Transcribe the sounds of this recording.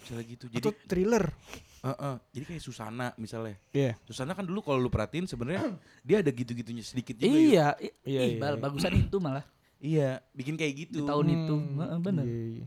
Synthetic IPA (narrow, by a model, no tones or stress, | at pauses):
misalaɡit̪ud͡ʒadt̪ɾilərəʔəhd͡ʒadikajasusa̰naʔmisalaijasusanakandulukalolupəɾhat̪iɪnsəbənərɲa | diaːdaɡit̪uɡit̪uɲasədikɪt̪̚d͡ʒuiaiaiaɪbalbaɡusanit̪umalah | ijabikɪnkajaɡit̪ut̪aʊnit̪uəʔəbənə